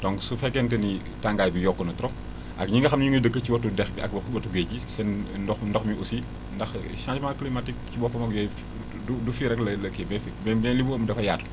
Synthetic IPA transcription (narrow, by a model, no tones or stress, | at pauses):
dɔŋsufɛkːɛntɛni | taŋɡaːjbijɔkːunɐtɾɔ | ʔɐkɲiŋɡɐxɐmɲiŋɡədəkːəciwɐtudɛxbiɐ̰k̚bɔkbɐtuɡeɟisɛndɔxndɔxmiʔusi | ndɐx | ʃat͡ʃmaklimatik̚t͡ʃibɔfɐmɐkjɔj | udufiɾɛklɐlɐkɛbɛfbɛbɛnlibuəmdɐfɐjaːtu